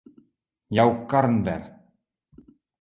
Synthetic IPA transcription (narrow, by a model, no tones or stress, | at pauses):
jɑwkːɑɾnbæ̰ɾ